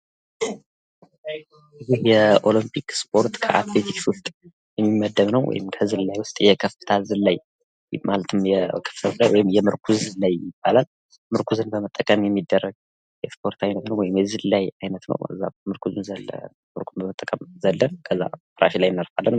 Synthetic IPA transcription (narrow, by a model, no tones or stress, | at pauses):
ɨzihjɛʔo̞limpʰikspʰo̞ɾt̪kʰə̰ʔat̪ʰlet̪ʰikswʊst̪ʼ | jɛmːimːəd̪ːəβnəwwɔ̰jɪ̰mkʰəzɨllajwʊst̪ʼjɛkʰəfɨ̥t̪ʰalzɨlːaj | malət̪ʰɨmjɛkʰə̥ftʰət̪lajwɔjɪmjɛmɨɾkʰuzɨlajːɪb̥ːalal | mɨɾkʰuzɨnbəmət̪ʼːəkʼəmjɛmːid̪ːərːəɡ̚ | jɛspʰo̞ɾt̪ʰajnət̪nəwɔjɪmjɛzɨllajajnət̪nə̰wɨ̰zːa̰mɨɾkʰuzɨnzə | mɨɾkʰunbəmət̪ʼːəkʼəmzəlːənkʰəzːa̰fɨɾa̰ʃilajɪnːaɾfalːən